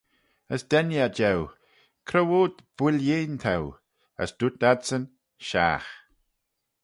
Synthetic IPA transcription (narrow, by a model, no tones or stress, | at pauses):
əsd̪̥ɛnjad͡ʒɛw | kʰɾəwoːd̪b̥wɪljeːnt̪ʰaw | ə̰sd̥̪ut̪̚adsən | ʃa̰ːx